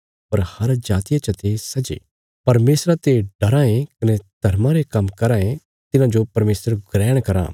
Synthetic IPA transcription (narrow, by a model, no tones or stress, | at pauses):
pɐɾhɐɾd͡ʒaːt̪ɪjat͡ʃɐt̪esɐd͡ʒḛː | pɐɾmeːsɾat̪eɖɐɾãːẽkɐnɛd̪̥ʱɐɾmãɾekɐmkɐɾãːẽ | t̪ɪnãd͡ʒopɐɾmeːsɾɡɾɛːɽ̃kɐɾa̰ː